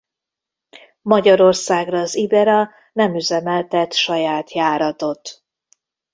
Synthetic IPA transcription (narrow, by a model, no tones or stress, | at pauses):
mɒɟɒɾo̞rsaːɡrɒːzibɛɾɒ | nɛmyzɛmɛlt̪ɛt̪ʃɒjaːt̪jaːɾɒt̪o̞t̪